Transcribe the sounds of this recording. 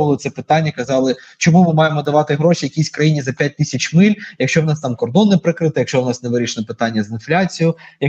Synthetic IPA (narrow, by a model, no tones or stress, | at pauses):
ʋɐlˠɪt̪sɛpɪt̪anʲːɐkɐzɑlˠɪ | t͡ʃɔmumɪmɑjemɔd̪ɐʋɑt̪ɪɦɾɔʃijɐkʲisʲkɾɐjinʲizɐpʲjat̚ʲt̪isʲɐt͡ʃmɪlʲjɐkʃt͡ʃɔwnɑst̪ɑmkɔrd̪ɔnɪpɾɪkɾɪt̪ɪjɐkʃt͡ʃɔwnɑsneʋɪɾʲiʃnɛpɪt̪ɑnʲːɐzɪnflʲat͡sʲijʊjɐ